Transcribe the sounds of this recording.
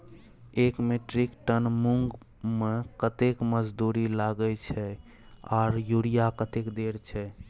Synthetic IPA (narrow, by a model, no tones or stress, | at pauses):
ekmeʈɾikʈənmuŋɡ | mekət̪ekməd͡ʒd̪uɾilaɡət͡ʃʰɛ | ɔ̰ɾjuɽijakət̪ekd̪eɾt͡ʃʰɛ